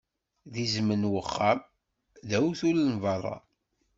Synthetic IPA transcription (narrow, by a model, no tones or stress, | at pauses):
ðizmənwəχːam | ðæwθulənvɑɾˤɑ̰